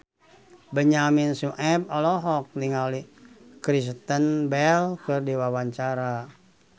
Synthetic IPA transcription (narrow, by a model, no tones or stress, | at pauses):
bəɲaminsuʔɛb̚ɔlɔɦɔk̚niŋalikɾis̬t̪ənbɛlkɨrdiwawaɲt͡ʃaɾa